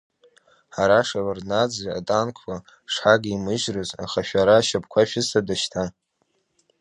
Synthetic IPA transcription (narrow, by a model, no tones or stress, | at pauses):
ħaɾaʂawarnad͡zia̰tʼankʷʰwa | ʂħaɡʲimɨʒrɨza̰χaʃᶣaɾaʃap̚ʰkʷʰaʃɪsadaʃtʰa